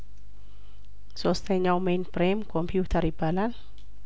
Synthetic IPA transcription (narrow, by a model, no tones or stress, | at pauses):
sɔst̪eɲawmenpɾemkɔmpʰjut̪ʰaɾib̥alan